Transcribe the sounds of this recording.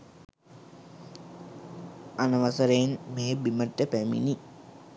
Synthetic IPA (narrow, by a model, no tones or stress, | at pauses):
anəʋasəɾenmeːbiməʈːəpæmḭni